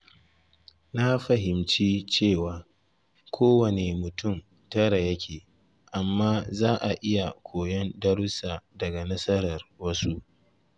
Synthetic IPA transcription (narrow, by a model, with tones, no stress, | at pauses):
na˦ɸɐ˨ɦɪ˨mt͡ʃiː˦t͡ʃeː˦˨waː˨ | kʷʰoː˦wɐ˨ne˨mʊ˨tʊ˦˨m | tɐ˦ɽa˨jɐ˦kʲʰeː˨ | ʔa˨mːaː˦zaː˦ʔa˨ʔɪ˦ja˨kʷoː˨jɔ˦ndɐ˦ɽʊ˦saː˨dɐ˨ɡa˨nɐ˦sɐ˦ɾɐ˨rwɐ˦su˦ʔ